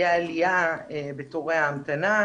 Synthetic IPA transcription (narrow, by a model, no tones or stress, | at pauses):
aːlijaebet̪oʁeaːmt̪ana